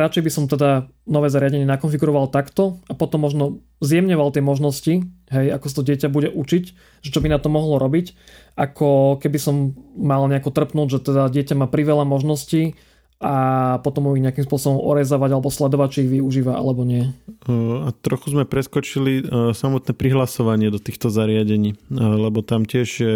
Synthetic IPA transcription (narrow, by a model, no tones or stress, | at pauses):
ɾat͡ʃɛjbisɔmt̪ɛd̪a | nɔʋɛːzaɾɪaɟɛɲɪɛnakɔnfiɡuɾɔʋalt̪akt̪ɔapɔt̪ɔmːɔʒnɔ | zjɛmɲɔʋalˠt̪ɪɛmɔʒnɔsciɦɛjakɔsat̪ɔɟɪɛcabuɟɛʔut͡ʃic | ʒɛt͡ʃɔbinat̪ɔmɔɦlɔɾɔbicʔakʰɔkɛbisɔmːalɲɛakɔt̪r̩pnuːɟʒɛt̪ɛd̪aɟɪɛcamaːpɾiʋɛlamɔʒnɔsci | apɔt̪ɔmuiɣɲɛakimspʊɔsɔbɔmɔ̰ɾɛzɔʋaɟalɛbɔslɛd̪ɔʋac̚t͡ʃiiɣʋiuʒiːʋaʔa̰lɛbɔɲɪɛ | at̪ɾɔxuzmɛpɾɛskɔt͡ʃilisamɔt̪nɛpɾiɦlasɔʋaɲɪɛd̪ɔt̪iːxt̪ɔzaɾɪaɟɛɲiːlɛbɔt̪amcɪɛʒjɛ